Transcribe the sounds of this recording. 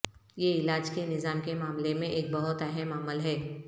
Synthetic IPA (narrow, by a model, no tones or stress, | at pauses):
jeɪlaːd͡ʒkenɪzaːmkemaːmlemẽʔeːk̚bɐɦʊt̪ɛɦɛmaːməlɦɛː